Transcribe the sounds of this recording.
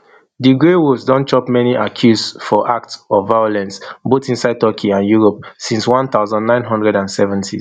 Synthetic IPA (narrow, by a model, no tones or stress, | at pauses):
diɡɹewusdɔ̃nt͡ʃɔpmɛniʔakʰjusfɔʔak̚tsɔvaɪɔlɛ̃nsbotĩnsaɪd̚tɔkʰiãnjuɹɔpsĩnswɔ̃nθaʊzãndnãɪ̃nɦɔ̃ndɹɛdãnsɛvãntʰi